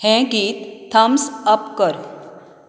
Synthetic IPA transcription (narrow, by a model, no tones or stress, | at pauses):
hɛ̃ɡit̪ʰːəmsəpkəɾ